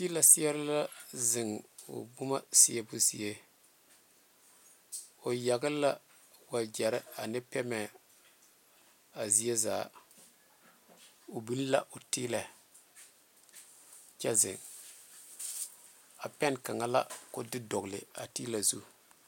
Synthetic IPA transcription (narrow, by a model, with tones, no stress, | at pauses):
ti˦la˨sɪ˦jɛ˦ɾɪ˦la˦zɪ˨ŋʊ̰˨bʊ˦ma˦sɪ˦ɛ˦˨bʊ˦zḭ˨e˦ | o˨ja˨ɡɪ˦la˦ | wa˨d͡ʒɛ˨ɾɪ˦a˨nɪ˦pɛ˦mɛ˨ | a˨zi˦e˦zaː˨˦˨ | o˨bi˦n˦la̰˦ʔʊ˨ti˦lɛ˨ | t͡ʃɛ˦zɪ̰˨ŋ | a˨pɛ˦nka˨ŋa˦la̰˦kʊ˦dɪ˦dɔ˨ɡlɪ̰˨a̰˨tiː˦la˨zṵ˦